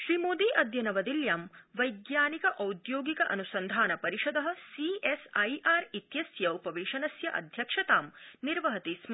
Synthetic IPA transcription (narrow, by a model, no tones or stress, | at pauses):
ʃɾiːmoːd̪iːʔɐd̪jɐnɐʋɐd̪iljaːmʋɐjɡjaːnikɐʔɐwd̪joːɡikɐʔɐnusɐnd̪ʱaːnɐpɐɾiʃɐd̪ɐɦɐ̆siesɐjʔaːɾit̪jɐsjɐupɐʋeːʃɐnɐsjɐʔɐ̰d̪ʱjɐkʂɐt̪aːmniɾʋɐɦɐt̪ism